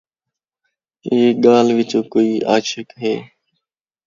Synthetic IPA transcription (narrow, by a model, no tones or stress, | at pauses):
eːɠaːlʋɪt͡ʃoːkoːiːʔaːʃɪkɦeː